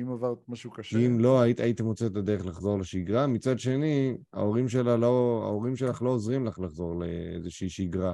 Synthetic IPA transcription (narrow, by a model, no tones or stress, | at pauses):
imavaʁt̪maʃukaʃkiimlo̞ait̪ait̪emʁot͡set̪ad̪eʁeχlaχzo̞ʁleʃiɡʁamit͡sad̪ʃe̞nia̰o̞ʁimʃe̞laloa̰oʁimʃelaχlo̞ozʁimlaχlaχzo̞ʁleḛzeʃiːʃiɡʁa